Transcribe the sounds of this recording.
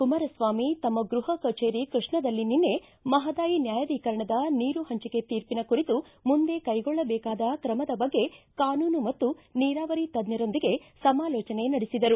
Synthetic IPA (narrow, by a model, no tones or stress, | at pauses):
kumɐɾɐsʋaːmit̪ɐmːɐɡɾuɦɐkɐt͡ʃeːɾikɾuʂɳɐd̪ɐlːininːe̞ | mɐɦɐd̪aːjinjaːjɐʋiːkɐɾɐɳɐd̪ɐniːɾuɦɐɲt͡ʃike̞t̪iːɾpinɐkuɾit̪u | mund̪e̞kɐjɡɔɭːɐbɛːkaːd̪ɐkɾɐmɐd̪ɐbɐɡːe̞kaːnuːnumɐt̪ːuniːɾaːʋɐɾit̪ɐd̪njɐɾo̞nd̪iɡe̞sɐmaːlɔːt͡ʃɐne̞nɐɽisid̪ɐɾu